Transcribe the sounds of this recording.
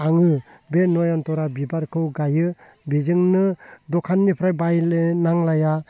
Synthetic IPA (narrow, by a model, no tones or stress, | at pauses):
aŋɯbenɔjɔntɔɾabibaɾkʰɯwɡajɯ | bizɯŋnɯdɔkʰanːipʰɾajbajnaŋlaja